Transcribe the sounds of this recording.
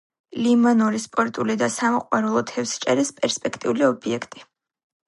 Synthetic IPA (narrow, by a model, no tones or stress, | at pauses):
limɔnɔɾispʼɔɾt̪ʼulid̪asamɔqʼwaɾɛlˠɔt̪ʰɛfst͡ʃʼɛɾɛspʼɛɾspʼɛkʰt̪ʼiuliɔbiɛkʰt̪ʼi̥